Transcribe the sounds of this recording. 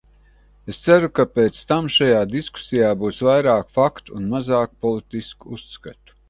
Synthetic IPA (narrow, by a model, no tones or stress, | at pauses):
est̪sæɾukapeːt̪st̪amʃajaːd̪isku̥sijaːbuːsvajɾaːkfakt̪unmazaːkpɔlˠit̪iskuuskat̪u̥